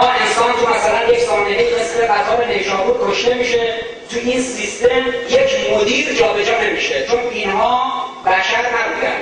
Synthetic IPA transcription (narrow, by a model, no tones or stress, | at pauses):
mɒːe̞nsɒːnt̪ʰumæsælænje̞cʰsɒːnd̪enejiʁesmeɡæzɒːɾene̞jʒɒːbuɾkʰoʃt̪e̞miːʃe | t̪ʰuʔinsist̪e̞mjecʰmod̪iːɾd͡ʒɒːbe̞d͡ʒɒːne̞miʃe̞t͡ʃʰo̞nbiːnɦɒːbæʃæɾnæbuːd̪æ̰n̥